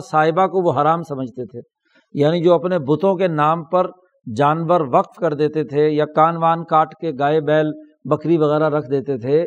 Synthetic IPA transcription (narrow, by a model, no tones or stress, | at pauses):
saːɦɪbakoʋoɦaɾaːmsɐməd͡ʒʱt̪et̪ʰeː | jaːnid͡ʒoːɐpnebʊt̪õkenaːmpɐɾ | d͡ʒaːnʋəɾʋɐqfkɐɾd̪eːt̪et̪ʰejakaːnʋaːnkaːʈkeɡaːebɛːl | bɐkɾiʋɐɣɛːɾaɾɐkʰd̪eːt̪et̪ʰeː